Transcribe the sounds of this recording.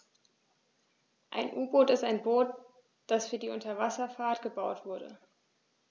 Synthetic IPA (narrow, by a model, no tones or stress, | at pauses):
ʔa̰ɪnʔuːboːtɪstaɪnboːt | d̥asfyːɐdiːʔʊntɐvasɐfaːɐtɡ̥əbaʊtv̥ʊɐdə̰